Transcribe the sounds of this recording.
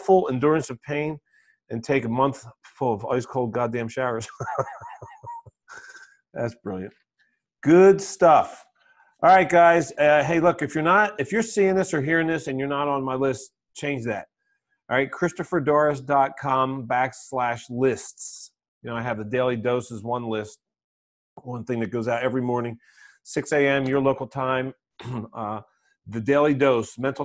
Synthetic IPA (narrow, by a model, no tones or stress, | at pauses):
fʊl̩ˠɪ̃ndʊɹɨ̃nsʌv̥pʰẽɪ̃n | ɨ̃ntʰeɪkəmʌ̃nθfʊlˠʌvɔ̰lˠwiz̥kʰoʊlˠd̚ɡɑdæ̃mʃaʊə˞z̥ | ðæ̰tsb̥ɹɪ̰lˠjɨ̰̃nt̚ | ɡ̥ʊdstʌf | ʔɑɹaɪt̚ɡ̥aɪzʌɦeɪlʊkɨfjə˞nətɨfjə˞siɪ̃ŋðɪsə˞ɦiɹɪ̃ŋðɪsɨ̃njə˞nəɾn̩maɪlɪst | t͡ʃʰẽɪ̃nd͡ʒðæ̰t̚ | ɹaɪt̚kʰɹ̥ɪstɨfə˞dɔɹɨs̬dɑt̚kʰɑ̃mbækslæʃlɪsts | jɨnoʊaɪɨvðɨdeɪlˠidoʊsɨzwʌ̃nlɪst̚ | wʌ̃nθɪ̃ŋðɨt̚ɡ̥oʊzaʊɾɛvɹimɔɹnɪ̃ŋ | sɪkseɪɛ̃mjə˞loʊkl̩ˠtʰãɪ̃m | ðɨdeɪlˠidoʊsmɛ̃ntˡl̩ˠ